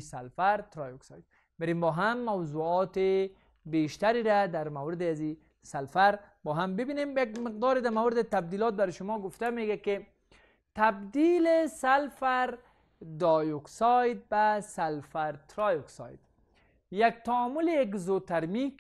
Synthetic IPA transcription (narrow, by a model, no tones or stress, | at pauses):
salfaɾt̪ɾɑjoksɑ̰jt̪̚ | bɪɾembɔːɦamːawzuɔt̪e | beʃt̪aɾiɾad̪aɾmawɾɪd̪ɪazi | salfaɾbɔːɦambɪbinemjakmɪq̚d̪ɔːɾed̪amawɾɪd̪ɪt̪ab̚d̪ilɔt̪̚baɾʃʊmɔɡʊft̪ameɡakɪ | t̪abd̪ilesalfaɾ | d̪ɔjuksɑjd̪̚basalfaɾt̪ɾɔjoksɑ̰jd̪ | jak̚t̪aɔmʊlejakzot̪aɾmik